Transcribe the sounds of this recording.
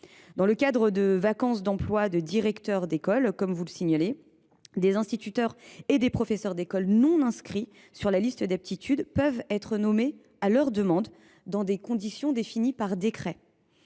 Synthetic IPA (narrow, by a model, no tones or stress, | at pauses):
d̪ɑ̃ləkad̪ʁəd̪əvakɑ̃sd̪ɑ̃plwad̪əd̪iʁɛkt̪œʁd̪ekɔlkɔmvuləsiɲale | d̪ezɛ̃st̪it̪yt̪œʁed̪epχɔfesœʁd̪ekɔlnɔ̃nɛ̃skχi | syʁlalist̪əd̪ap̚t̪it̪ʰyd̪pœvɛt̪χənɔme | alœʁd̪əmɑ̃d̪ː | ɑ̃d̪ekɔ̃d̪isjɔ̃d̪efinipaʁd̪ekχɛ